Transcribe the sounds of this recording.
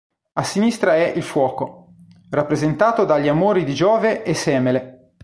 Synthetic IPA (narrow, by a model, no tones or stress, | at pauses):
asːinist̪ɾaɛʔilfwɔːko | rapːɾezent̪aːt̪od̪aʎːiamoːɾid̪id͡ʒɔːveʔːsːɛːmele